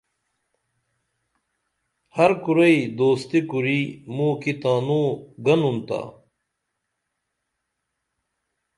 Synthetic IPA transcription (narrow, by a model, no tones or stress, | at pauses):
hɐɾkuɾɐid̪oːst̪ikuɾimũkit̪aːnuːɡɐnunt̪a̰ː